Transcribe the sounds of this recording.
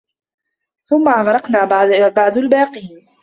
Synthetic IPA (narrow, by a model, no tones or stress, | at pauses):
θʊmːaʔaɣɾˤɑqnaːbbaʕd̪albaːqiːn